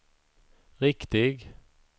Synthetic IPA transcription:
ɾɪkt̪ɪɡ

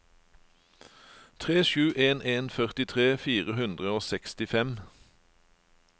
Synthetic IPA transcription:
t̪ʰʁeːʃʉːʔeːneːnfœʁt̪ɪt̪ʰʁeːfiːʁəhʉnd̪ʁəoːsɛkst̪ɪfɛm

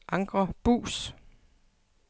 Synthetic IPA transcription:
ʔɑ̈ŋɡ̥ʁɐb̥ṵːs

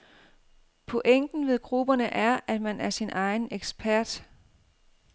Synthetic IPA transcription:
pʰoʔeŋ̰ɡ̥n̩ʋe̝ðˠɡ̥ʁub̥ɐnəʔæɐʔæd̥mænʔæɐsinʔɑ̈ɪn̩eɡ̥sb̥ʰæɐ̰d̥

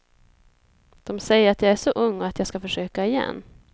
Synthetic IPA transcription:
d̪̥ɔmsɛjəɾat̪jɑːɡæʂɔʔɵŋːɔat̪jɑːskafœʂøːkaɛjɛ̰nː

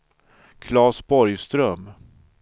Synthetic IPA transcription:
kʰlɑːsbɔɾjst̪ɾœm

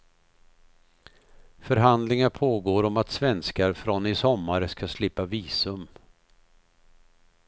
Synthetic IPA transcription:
fœɾɦand̪lɪŋaɾpʰoːɡoːɾɔmat̪svɛnskaɾfɾɔnɪsɔmːaɾəskaslɪpːaviːsɵm

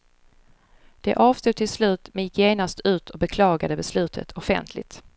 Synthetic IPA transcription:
d̪̥ɛʔɑːv̥st̪uːɡ̚t̪ʰɪlslʉ̟ːt̪mɛnjɪkʰːjeːnast̪ʰʉ̟ːt̪ʰɔbɛkʰlɑːɡad̪əbɛslʉ̟ːt̪ʰə̰t̪ʰɔfɛ̰nt̪ʰlɪ̰t̪

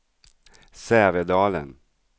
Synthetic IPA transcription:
sɛːvɛd̪ɑːlə̰n

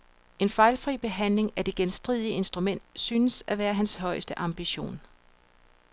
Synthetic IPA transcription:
e̝nfɑ̈ɪlfʁḭːb̥e̝ɦæn̰le̝ŋæd̥e̝ɡ̥ensd̥ʁiðˠiəe̝nsd̥ʁumen̰d̥syːnəsæʋæːɐɦænshɒ̽ɪsd̥əʔɑ̈mb̥iɕo̝̰ːn

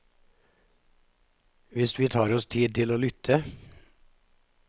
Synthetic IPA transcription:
ʋɪsʋiːt̪ʰɑːɾɔst̪ʰiːd̪̚t̪ʰɪloːlʏt̪ʰə

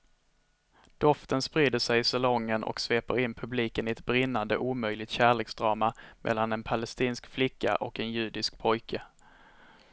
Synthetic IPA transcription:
d̪̥ɔft̪ənspɾiːd̪əʂɛjɪsalɔŋːənʔɔ̰ksveːpəɾɪnpʰɵbliːkənɪɛt̪̚bɾɪnːand̪ə̰ʔuːmœjlɪt̪ɕæːɭeːksd̪ɾɑːmamʔɛ̰lːanɛnpʰalɛst̪iːnskflɪkːa̰ʔɔkɛnjʉ̟ːd̪ɪsk̚pʰɔjkʰa

